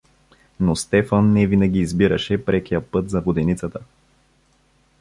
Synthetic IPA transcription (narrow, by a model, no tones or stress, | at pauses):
nost̪ɛfɐnːɛvinɐɡʲiːzbiɾɐʃɛpɾʔɛkijəpɤt̪zɐvod̪ɛnit̪sət̪ə